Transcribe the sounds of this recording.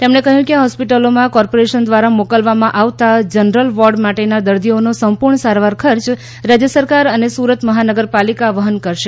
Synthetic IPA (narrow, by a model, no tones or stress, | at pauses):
t̪emɳekəɦjũkeɦɔspiʈəlomãkɔɾpoɾeʃənd̪ʋaɾamokəlʋamãʔaʋt̪ad͡ʒənɾəlʋɔɾɖmaʈenad̪əɾd̪ʱionosəmpuɾɳəsaɾʋaɾkʰəɾt͡ʃ | ɾad͡ʒjəsəɾkaɾənesuɾət̪məɦanəɡəɾpalikaʋəɦənkəɾʃe